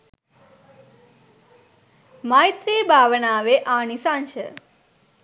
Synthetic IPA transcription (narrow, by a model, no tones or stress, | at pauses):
maːjt̪ɾiːbʱaːʋənaːʋeʔaːɳisanʃə̰